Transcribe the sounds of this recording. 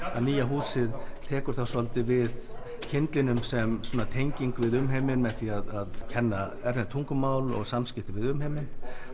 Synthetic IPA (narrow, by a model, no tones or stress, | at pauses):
aðniːjaɦuːsɪðt̪ʰɛːkʏɾ̥θawsɔlt̪ɪvɪð | cʰɪnt̪lɪnʏmsɛmsuɔːnat̪ʰejɲciŋkvɪðʏmɦejmɪnmɛðθiaðaðcʰɛnːa | ɛɾðɪt̪ʰuŋkʏmaːwlɔ̰ɣsamscɪht̪ɪvɪðʏmɦejmɪn